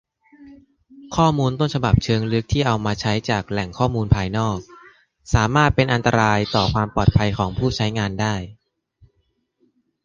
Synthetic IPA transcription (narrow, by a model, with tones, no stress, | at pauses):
kʰɔː˥˩muː˧nt̪o˥˩nt͡ɕʰa˧ba˨˩p̚t͡ɕʰɤː˧ŋlɯ˦˥k̚t̪ʰiː˥˩ʔa˧wmaː˧t͡ɕʰa˦˥jt͡ɕaː˨˩k̚lɛ˨˩ŋkʰɔː˥˩muː˧npʰaː˧jnɔː˥˩k̚ | saː˩˦maː˥˩t̪̚pe˧nʔa˧nt̪a˧ɾaː˧jt̪ɔː˨˩kʰwaː˧mpɔː˨˩t̪̚pʰa˧jkʰɔː˩˦ŋpʰuː˥˩t͡ɕʰa˦˥jŋaː˧ndaː˥˩j